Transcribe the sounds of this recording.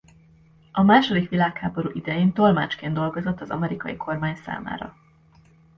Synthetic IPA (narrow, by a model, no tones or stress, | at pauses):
ɒmaːʃo̞d̪ikʋilaːkhaːbo̞ɾṵːʔid̪ɛjeːnt̪o̞lma̰ːt͡ʃkeːnd̪o̞lɡo̞zo̞t̪ːɒzɒ̰mɛɾikɒjikʰo̞rmaːɲsa̰ːma̰ːɾɒ̰